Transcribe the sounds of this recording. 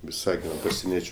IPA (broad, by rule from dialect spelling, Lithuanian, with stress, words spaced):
ʋʲɪˈsɑːɡʲɪnoː pɐsʲɛˈnʲiɛt͡ʃʲʊ